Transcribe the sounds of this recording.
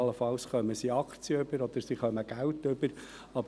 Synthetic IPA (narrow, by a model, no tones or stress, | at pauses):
ləfɑlsχœməsiɑkχt͡sjəʏbəɾɔd̪̥əɾsiχœməɡ̥æwt̪ʏbəɾ | ɑb